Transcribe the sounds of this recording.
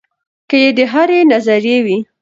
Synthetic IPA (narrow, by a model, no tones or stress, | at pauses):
kəjed̪əɦaɾenazaɾjewi